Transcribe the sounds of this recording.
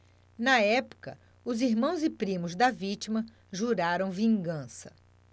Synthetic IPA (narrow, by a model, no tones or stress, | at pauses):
nɐɛpʊ̥kɐ | ʊziɾmɐ̃w̃zɪpɾĩmʊzd̪ɐvit͡ʃimɐ | ʒuɾaɾɐ̃w̃vĩŋɡɐ̃sɐ